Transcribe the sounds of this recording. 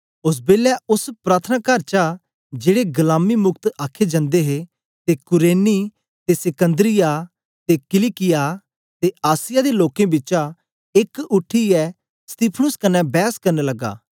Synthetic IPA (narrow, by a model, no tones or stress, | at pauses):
ʊs̬beːlɛʊspɾaːt̪ʰənaːkəɾt͡ʃa | d͡ʒeːɽeɡɐlaːmimʊkt̪aːkʰːed͡ʒɐ̃nd̪eɦe | t̪ekʊɾeːni | t̪esɪkə̃nd̪ɾɪja | t̪ekɪlikɪja | t̪eaːsɪjad̪eloːkẽbɪt͡ʃa | ɪkʊʈʰːiɛ | st̪iːpʰənʊskɐnɛ̃bɛːskɐɾnelɐɡːa̰ː